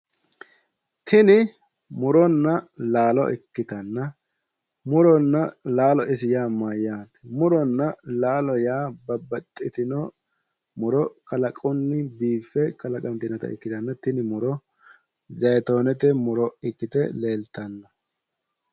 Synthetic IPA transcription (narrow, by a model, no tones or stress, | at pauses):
t̪ʰɪnɪ | mʊɾɔnːɐlaːlɔ̰ʔɪ̰kːɪt̪ɐnːɐ | mʊɾɔnːɐlaːlɔʔɪsɪjaːmajaːt̪ɛmʊɾɔnːɐlaːlɔjaːbɐbːɐt̪ʼːɪt̪ɪnɔ | mʊɾɔkɐlɐkʼɔnːɪbiːfːɛkɐlɐkʼɐnt̪ɪnɐt̪ɐ̰ɪ̰kːɪt̪ɐnːɐt̪ɪnɪmʊɾɔ | zɐjt̪o̞ːnɛt̪ɛmʊɾɔɪkːɪt̪ɛle̞ːlt̪ɐnːɐ